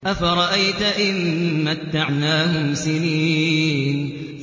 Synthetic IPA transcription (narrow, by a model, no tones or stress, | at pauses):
ʔafaɾˤɑʔajt̪aʔɪnːat̪ːaʕnaːhʊmsɪniːn